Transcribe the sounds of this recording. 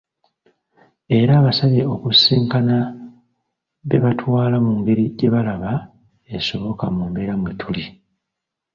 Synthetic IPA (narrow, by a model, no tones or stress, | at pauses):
e̞ɾaːβasaβeo̞kusiːŋkana | βe̞βatwaːlamuŋɡe̞ɾiɟe̞βalaβa | eso̞βo̞kamuːmbe̞ːɾamwetʰuli